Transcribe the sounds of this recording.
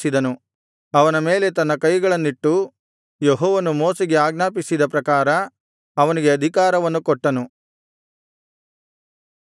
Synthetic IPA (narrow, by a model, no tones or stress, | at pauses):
sid̪ɐnu | ɐʋɐnɐme̞ːle̞t̪ɐnːɐkɐjɡɐɭɐnːiʈːu | jeɦɔːʋɐnumoːsiɡe̞aːɡnaːpisid̪ɐpɾɐkaːɾɐ | ɐʋɐniɡeɐd̪ʱikaːɾɐʋɐnːukɔʈːɐnu